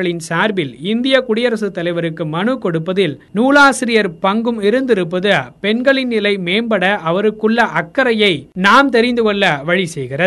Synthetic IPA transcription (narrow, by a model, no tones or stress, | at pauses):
ɐɭɪnsaːɾbɪlɪnd̪ɪjɐkʊɽɪjɐɾɐsɯt̪ːɐlɐɪʋɐɾɯkːɯmɐnɯkɔɽɯpːɐðɪlnuːlaːsɪɾɪjɐɾpɐŋɡɯmɪɾɯnd̪ɪɾɯp̬ːɐðɯpɛnɡɐɭɪnnɪlɐɪmeːmbɐɽɐʔɐʋɐɾɯkːɯɭːɐʔɐkːɐɾɐjɐɪnaːmt̪ɛɾɪnd̪ɯkɔɭːɐʋɐɻisɛjɣɪrɐ